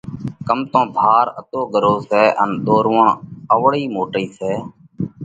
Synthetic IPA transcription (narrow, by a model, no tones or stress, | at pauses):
kəmt̪õːb̪ʱaːɾət̪oːɡəɾoːsɛːʔənɗ̪oːɾʋəɳəʋɽiːmoːʈiːseː